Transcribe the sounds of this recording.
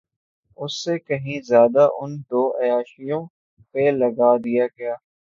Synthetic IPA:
ʊsːekɐɦĩzjaːd̪aʔʊnd̪oːʔɐjaːʃijõ | pelɐɡaːd̪ijaːɡɐjaː

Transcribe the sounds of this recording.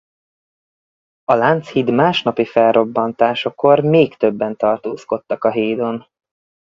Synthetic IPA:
ɒlant̪shid̪maːʃnɒpifɛlro̞bːɒnt̪aːʃoko̞rmeːkt̪ø̞bːɛnt̪ɒrt̪oːsko̞t̪ːɒkɒɦeːd̪o̞n

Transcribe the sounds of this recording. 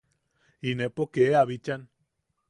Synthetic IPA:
inepokeaβit͡ʃan

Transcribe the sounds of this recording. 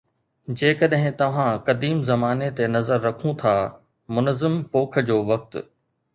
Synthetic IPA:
d͡ʑeːkɐɗɦɪ̃t̪ɐʋ̤ãkɐd̪iːmzɐmaːnet̪enɐzəɾːɐkʰũt̪ʰaː | mʊnzɪmpoːk̆ʰd͡ʑoːʋɐk̚t̪̆

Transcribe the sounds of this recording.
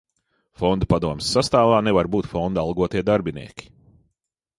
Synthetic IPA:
fɔnd̪apad̪uɔmsːast̪aːvaːnevaɾbuːt̪fɔnd̪alˠɡuɔt̪iɛd̪aɾbinḭɛkʲi̥

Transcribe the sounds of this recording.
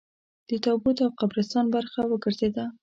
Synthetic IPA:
d̪̥ət̪ɑbut̪awqabɾɪst̪ɑnbaɾxawəɡəɾzed̪a

